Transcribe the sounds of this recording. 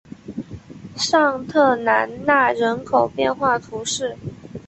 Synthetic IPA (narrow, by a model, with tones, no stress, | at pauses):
ʂɑ˥˧ŋt̪ʰɤ˥˩na˧˥nna˥˩ɻə˧˥nkʰo˨˩ʊpjɛ˥˧nxwa˥˩t̪ʰu˧˥ʂɻ̩˥˩